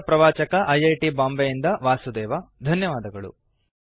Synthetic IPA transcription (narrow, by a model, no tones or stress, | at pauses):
pɾɐʋaːt͡ʃɐkɐʔɐjɐjʈibaːmbejind̪ɐʋaːsud̪ɛːʋɐd̪ʱɐnjɐʋaːd̪ɐɡɐɭṵ